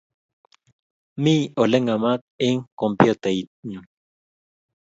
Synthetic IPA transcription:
mioleŋamat̪̚iŋkompjot̪eit̪̚ɲu

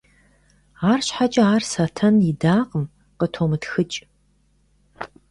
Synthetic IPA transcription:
aːrɕħat͡ʃʼɐaːrsɐtʰɐnɪdaːqəm | qətʰoːmɨtxɨt͡ʃʼ

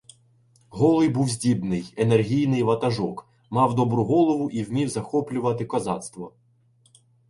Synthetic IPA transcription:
ɦɔlˠɪjbuwzʲdʲibnɪjenerɦʲijnɪjʋɐt̪ɐʒɔk | mɑwd̪ɔbɾʊɦɔlˠɔʋʊʔiwmʲiwzɐxɔplʲʊʋɐt̪ɪkɔzɑ̰t̪st̪ʋɔ

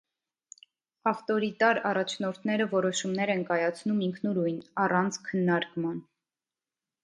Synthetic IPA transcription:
ɑft̪ɔɾit̪ɑɾɑrɑt͡ʃʰnɔɾt̪ʰnɛɾəvɔɾɔʃumnɛɾɛnkɑjɑt͡sʰnumiŋkʰnuɾujnɑrɑnt͡sʰkʰənːɑɾkmɑn

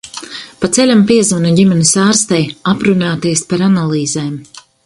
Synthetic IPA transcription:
pat̪sɛlʲampiɛzunaɟimɛnisaːɾst̪ɛjapɾunaːt̪iɛspaɾanalˠiːzɛːm

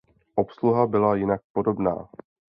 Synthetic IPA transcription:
ʔo̞psluɦabɪlajɪnak̚po̞do̞bna̰ː

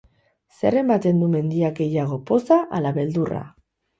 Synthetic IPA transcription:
se̞̰re̞mat̪e̞nd̪ume̞nd̪iakɡe̞jaɣ̞o̞po̞saʔalaβe̞ld̪ura̰

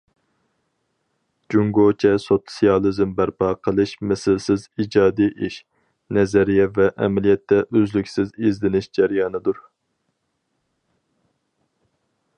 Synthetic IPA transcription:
d͡ʒuŋɡot͡ʃʰɛsot̪sijɑlˠɨzɪmbæɾpʰɑːqʰəlˠɨʃmɛsɪlsɪzid͡ʒɑːd̪iʔiʃ | nɛzɛɾijɛvɛʔɛmɛlijɛt̪ʰːɛʔøzlykʲsɪzezlɪnɪʃd͡ʒæɾjɑːnɨd̪uɾ

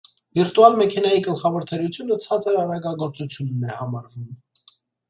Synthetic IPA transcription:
viɾt̪uɑlmɛkʰɛnɑjiɡəlχɑvɔɾt̪ʰɛɾut͡sʰjunət͡sʰɑt͡səɾɑɾɑɡɑɡɔɾt͡sut͡sʰjunːɛhɑmɑɾvum

